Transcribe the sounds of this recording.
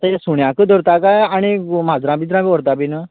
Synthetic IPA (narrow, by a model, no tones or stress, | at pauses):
t̪əjasuɳjãkəd̪ɔɾt̪akajaɽ̃imad͡zɾãbid̪ɾãbiɔɾt̪abinə